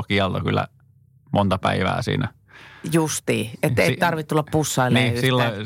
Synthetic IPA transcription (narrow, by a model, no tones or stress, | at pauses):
kiɑlt̪ɑkylːæ̰ | mont̪ɑpæiʋæ̰ːsḭːnæ | just̪iːet̪ːeit̪ɑrʋit̪ulːɑppusːɑilnniːssilːɑi